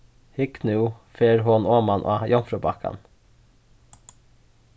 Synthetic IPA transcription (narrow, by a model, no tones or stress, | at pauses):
hɪknʉfeːɾhoːnoːmɑnʔo̰ːjɔnfɾʊbɑkʰɑ̰n